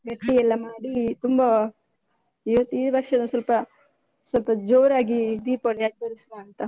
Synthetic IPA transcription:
ɡɐʈːiɛlːɐmaːɽit̪umbɐ | iʋɐt̪ːiːd̪ʋɐɾʂɐnusɐlpɐ | sɐlpɐd͡ʒoːɾaːɡid̪iːpɐːɭiɐʈ̚bɐɾisʋaːnt̪ɐ

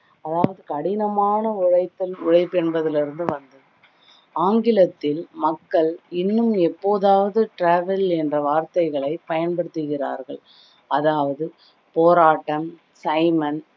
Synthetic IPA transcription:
ɐðaːʋɐðɯkɐɽɪnɐmaːnɐʊɻɐɪt̪ːɐlʊɻɐɪpːɛnbɐðɪlɪɾɯnd̪ɯʋɐnd̪ɐðɯ | aːŋɡɪlɐt̪ːɪlmɐkːɐɭɪnːɯmɛpːoːðaːʋɐðɯʈɾaːʋɛlɛndrɐʋaːɾt̪ɐɪɣɐɭɐɪpɐjɐnpɐɽɯt̪ːɯɣɪra̰ːɾɣɐɭ | ɐðaːʋɐðɯ | poːɾaːʈːɐm | sɐɪmɐn

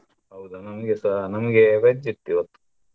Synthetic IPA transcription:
ɦɐwd̪unɐmɐɡesɐnɐmɐɡeʋɐd͡ʒit̪ːiot̪ːu̥

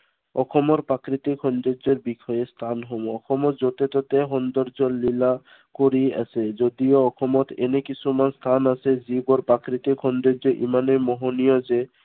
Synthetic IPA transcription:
ɔkʰɔmoɾpɾakɾit̪ikʰɔnd̪od͡ʑeɾbikʰɔjest̪ʰanɦɔboɔkʰɔmot̪d͡ʑot̪et̪ot̪eɦɔnd̪ɔɾd͡ʑollila | koɾia̰sʰed͡ʑod̪ioɔkʰɔmɔt̪ḛnekit͡ɕʰumanst̪ʰanasʰed͡ʑiɡoɾpɾakɾit̪ikʰɔndod͡ʑeʔḭmanemɔɦonijod͡ʑe

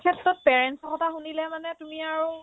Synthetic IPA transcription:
kʰɛtɹɔt̚pɛɹɛnsɔxɔtaxunilɛmanɛtumiaɹu

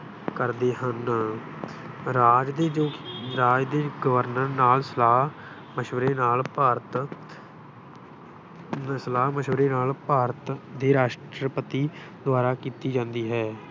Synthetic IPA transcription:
kəɾd̪eːɦən | ɾaːd͡ʒd̪eːd͡ʒoːɾaːd͡ʒd̪eːɡəʋəɾnəɾnaːlsəlaː | məʃʋəɾeːnaːlpaːɾət̪ | səlaːɦməʃʋəɾeːnaːlpaːɾət̪d̪eːɾaːʃʈɾəpət̪iː | d̪ʊaːɾaːkiːt̪iːd͡ʒãːnd̪iːɦɛː

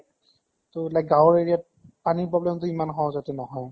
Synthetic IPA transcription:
toelakɡãwɹeɹija | paniɹpɹɔblɛmtʊimanɦɔ̃wzatɛnɔɦɔj

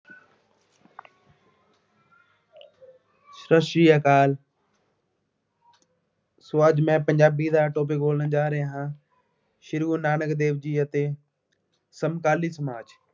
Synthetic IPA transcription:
sɾəʃɾiːaːkaːl | sʊaːd͡ʒmɛ̃ːpə̃ɲd͡ʒaːbiːd̪aːʈoːp̬eːkoːlənd͡ʒaːɾeːɦãː | ʃɪɾuːnaːnəkd̪eːʋd͡ʒiːət̪eː | səmkaːliːsəmaːd͡ʒ

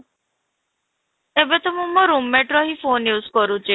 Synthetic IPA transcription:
ebet̪ɔmũmɔɾumːeʈɾoɦifonjuːzkɔɾũt͡ʃi

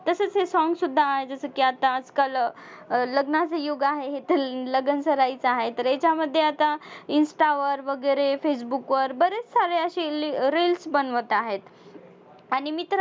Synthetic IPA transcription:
t̪əsəːt͡sɦesɔŋɡsud̪ʱːaːɦed͡zəsəkiat̪aəd͡zkal | ləɡnat͡səjoɡaɦeɦet̪ələɡənsəɾait͡saɦet̪əɾet͡ɕaməd̪ʱːjeat̪ainsʈaʋəɾʋəɡəjɾefes̬bukʋəɾbəɾet͡ssaɾeəɕiɾelsbənʋət̪aɦet̪ | aɽ̃imit̪ɾ

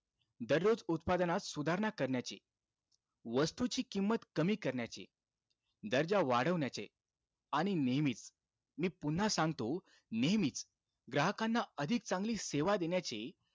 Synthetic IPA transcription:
d̪əɾjod͡zut̪̚pad̪ənat̪sud̪ʱaɾnakəɾɳjat͡ɕḛ | ʋəst̪ut͡ɕiːkimːət̪kəmiːkəɾɳjat͡ɕḛ | d̪əɾd͡ʑaʋaɽ̤əʋɳjat͡ɕḛ | aɽ̃inemiːt͡s | miːpun̤ːasãŋɡt̪o | nemit͡s | ɡɾaɦəkãnːaəd̪ʱik̚t͡sãŋɡliːseʋad̪enjat͡ɕe

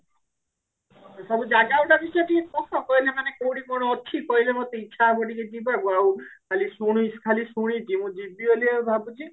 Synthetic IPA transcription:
sɔbud͡ʒaɡawʈabiseʈʰikemɔkɔkɔilemanekowʈikɔɽ̃ɔɔt̪ʰikɔilemot̪eit͡ʃʰabɔʈiked͡ʒibabuawkʰalisuɽ̃skʰalisuɽ̃id͡ʒimũd͡ʒibioliebʱabud͡ʒi

